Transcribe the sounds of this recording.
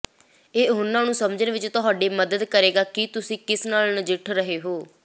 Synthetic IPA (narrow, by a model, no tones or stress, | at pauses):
eːʊnːãːnũːsəmd͡ʒənːʋɪt͡ʃt̪ʊɦaːɖeːməd̪əd̪kəɾeːɡaːkɪt̪ʊsĩːkɪsnaːlnəd͡ʒɪʈʰɾəɦeːɦoː